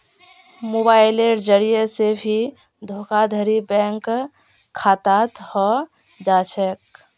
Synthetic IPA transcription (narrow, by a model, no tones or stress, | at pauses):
mobaileɖd͡ʒəɽijesebʱi | d̪ʱokad̪ʱəɾibɛ̃ŋk | kʰːat̪at̪hɔ | d͡ʒat͡ʃʰɛk̚